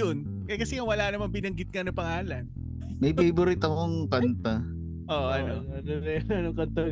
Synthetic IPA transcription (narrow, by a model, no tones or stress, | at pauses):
on | kɐkɐsɛŋɐwɐlanɐmɐŋbɪnɐŋɡɪt̪̚kɐnɐpɐŋaːlɐn | mɐjbejbʊɾit̪ɐmoŋkɐnt̪ɐ | ʔoːʔʔɐnoɐnoɾɛɐnoŋkɐnt̪ɐ